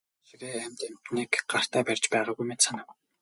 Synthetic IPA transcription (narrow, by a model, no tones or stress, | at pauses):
xiɾeːæmʲt̪em̥t̪niːkɢar̥t̪æːpærʲt͡ɕpæːʁaːɣujmet̪sanə̆w